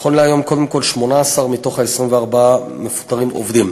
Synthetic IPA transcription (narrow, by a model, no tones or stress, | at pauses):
χonleajo̞mko̞d̪emko̞lʃmo̞naːsaʁmito̞χhaesʁimveaʁbaamefu̥t̪aʁimo̰vd̪im